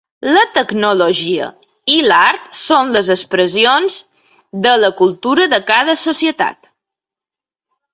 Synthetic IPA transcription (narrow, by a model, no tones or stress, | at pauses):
lət̪əɡnoloʒiə̰ | ilaɾt̪sonləzəspɾəzionz | d̪ələkulˠt̪uɾəðəkaðəsosiət̪a̰t̪